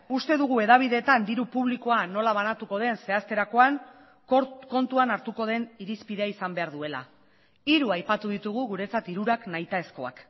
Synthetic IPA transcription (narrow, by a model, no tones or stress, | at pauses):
ust̪e̞ðuɣ̞ue̞ðaβ̞iðe̞t̪and̪iɾupuβ̞liko̞ano̞laβ̞anat̪uko̞ð̞e̞nse̞ast̪e̞ɾako̞an | ko̞nt̪uanaɾt̪uko̞ð̞e̞niɾispiðe̞aisambe̞aɾðue̞la̰ | iɾuajpat̪uðit̪uɣuɣuɾe̞t͡sat̪iɾuɾaknajt̪ae̞sko̞a̰k